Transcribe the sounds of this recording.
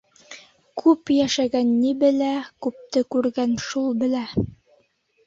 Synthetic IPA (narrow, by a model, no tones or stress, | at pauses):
kʰʉpjæʃæɡænːibɘ̆lækʉp̚t̪ɘkʉɾɡænʃulˠbɘ̆læ